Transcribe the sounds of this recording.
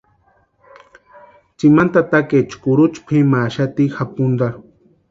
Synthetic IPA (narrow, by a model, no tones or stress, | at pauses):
t͡ʃimant̪at̪aket͡ʃkʊɾut͡ʃpʰimaʃat̪ixapund̪aɾ